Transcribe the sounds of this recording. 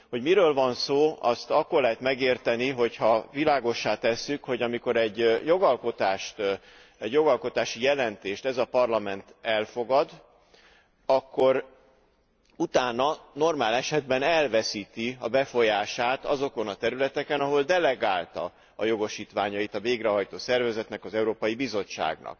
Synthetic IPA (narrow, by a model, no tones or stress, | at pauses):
ho̞ɟmiɾøːlvɒnsoːɒ̰st̪ɒkːo̞rlɛɦɛt̪mɛɡeːrt̪ɛniɦo̞chɒvilaːɡo̞ʃːaːt̪ɛsːykho̞ɟɒmiko̞ɾɛɟːjo̞ɡɒlko̞t̪aːʃt̪ | ɛɟjo̞ɡɒlko̞t̪aːʃijɛlɛnt̪eːʃt̪ɛzɒpɒrlɒmɛnt̪ɛlfo̞ɡɒd̪ | ɒkːo̞ɾ | ut̪aːnɒno̞rmaːlɛʃɛd̪bɛnɛlvɛsiːt̪iɒbɛfo̞jaːʃaːt̪ɒzo̞ko̞nɒt̪ɛɾylɛt̪ɛkɛnɒɦo̞ld̪ɛlɛɡaːlt̪ɒ̰ | ɒjo̞ɡo̞ʃiːt̪ʋaːɲɒit̪ɒveːɡɾɛɦɒjt̪oːsɛrvɛzɛt̪nɛkɒzɛuɾoːpɒjibizo̞t͡ʃːa̰ːɡnɒ̰k̚